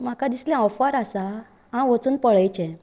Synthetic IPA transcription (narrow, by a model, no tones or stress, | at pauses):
makad̪isljãɔfaɾasa | ãʋət͡suːnpəɭəjt͡ɕɛ̃